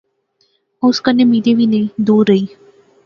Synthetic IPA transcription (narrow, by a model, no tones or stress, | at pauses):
əʊskənːemid̪eʋined̪uːɾəiː